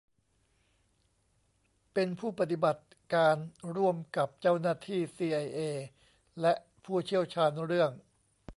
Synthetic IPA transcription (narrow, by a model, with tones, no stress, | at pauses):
pe˧npʰuː˥˩pa˧˩t̪i˨˩ba˨˩t̪̚ | kaː˧nɾu˥˩əmka˨˩p̚t͡ɕa˥˩wnaː˥˩t̪ʰiː˥˩siː˧ʔa˧jʔeː˧ | lɛ˦˥ʔ | pʰuː˥˩t͡ɕʰi˥˩əwt͡ɕʰaː˧nɾɯ˥˩əŋ